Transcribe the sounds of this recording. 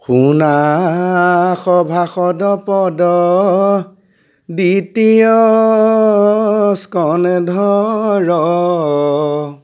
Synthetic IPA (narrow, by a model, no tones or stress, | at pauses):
xuna | xɔbʱaxɔdɔpɔdɔ | ditiɔ | skɔnɛdʱɔɹɔ